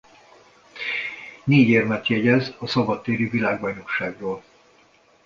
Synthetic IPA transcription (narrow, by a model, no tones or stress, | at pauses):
neːɟeːrmɛt̪jɛɟɛzɒsɒbɒt̪ːeːɾyvilaːɡbɒjno̞kʃaːɡroːl